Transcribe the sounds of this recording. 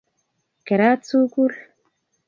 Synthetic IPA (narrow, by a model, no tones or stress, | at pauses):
keɾat͡sukul